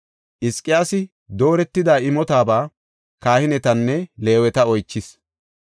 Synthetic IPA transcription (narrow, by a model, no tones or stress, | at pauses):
ʔɪskʼːɪjaːsɪ | d̪o̞ːɾɛt̪ːɪd̪aːɪmɔt̪aːbaː | kaːhɪnɛt̪ɐnːɛle̞ːwɛt̪ɐɔjt͡ʃːɪs